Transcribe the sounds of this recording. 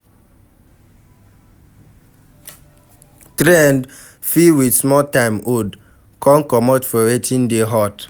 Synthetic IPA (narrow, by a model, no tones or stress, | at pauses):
tɾɛ̃nd | fiwidsmɔltãɪmod | kʰɔ̃nkɔmɔtfɔwetʰĩndeɦɔt